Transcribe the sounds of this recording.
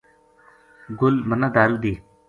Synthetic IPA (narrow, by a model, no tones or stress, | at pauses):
ɡʊlmənad̪aːɾud̪iː